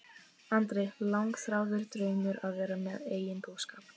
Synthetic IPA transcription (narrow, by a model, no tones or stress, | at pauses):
ant̪ɾɛjlawŋkθɾaːwðʏɾ̥t̪ɾœːɥmʏɾaðvɛːɾamɛðeːjɪnposkaːp